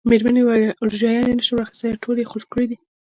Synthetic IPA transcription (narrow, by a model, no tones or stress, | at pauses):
meɾmanewaluʒjɑjɑnenəʃiwɾɑxi̥st̪əjaʈʰolexoʃkəɽid̪i